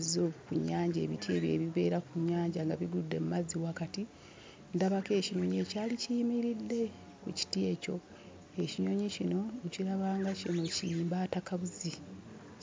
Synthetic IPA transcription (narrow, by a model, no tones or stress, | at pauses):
zokuɲːaːɲɟe̞̰ːβitje̞̰ːβje̞̰βiβe̞ːɾakuɲːaːɲɟaŋɡaβiɡudːe̞̰mumaziwakati | ndaβake̞ːciɲo̞ɲeːcaːlicijimiɾidːe̞ | kuci̥tie̞co̞ | e̞ciɲo̞ɲicino̞nciɾaβaːŋɡacino̞ciiːmbaːtakaβuzi